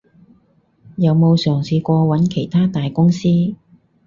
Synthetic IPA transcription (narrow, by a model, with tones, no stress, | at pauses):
jɐ˨˧wmo˨˧wsœː˨˩ŋsiː˨˧kʷɔː˧wɐ˨˥nkʰe˨˩jt̪ʰaː˥t̪aː˨jkʊ˥ŋsiː˥